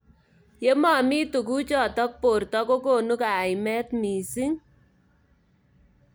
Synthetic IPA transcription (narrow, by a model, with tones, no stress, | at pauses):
je˦ma˨miː˦tu˨ku˦t͡ʃɔ˨tɔ˦k̚po˨ɾtɔ˦ko˦ko˦˨nu˦ka˨ɪ˨mɛ˦tmiː˨si˦ŋ